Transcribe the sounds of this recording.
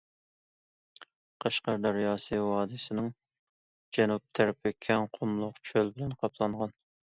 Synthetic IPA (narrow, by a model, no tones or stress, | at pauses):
qʰɑʃqɑɾd̪ɑɾjɑːsɨwɑːd̪ɨsɪnɪŋ | d͡ʒɛnup̚t̪ʰæɾpʰɪkʲʰɛŋqʰʊmlˠʊqt͡ʃʰølbɪlɛnqʰɑpʰlˠɑɴʁɑn